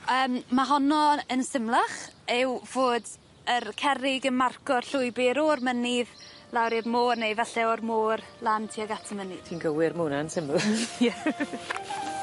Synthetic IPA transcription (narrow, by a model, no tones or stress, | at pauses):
əːmːaɦɔnɔənsɪmlˠaχɪwv̥oːd | ərkʰɛɾɪɡənmarkɔrɬʊɨbɪɾormənɪðlˠawɾɪrmoːrnejvɛɬɛɔrmoːrlˠantʰiɔɡatʰəmənɪd̥tʰinɡəwɪɾmunaənsɪmljɛ